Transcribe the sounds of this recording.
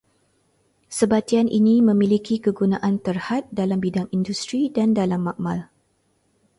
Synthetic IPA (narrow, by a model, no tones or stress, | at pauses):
səbat̪ianʔḭnimə̃milikikəɡunãʔant̪ərhat̪̚dalambidaŋindust̪ɾidandalamːaʔ̚mal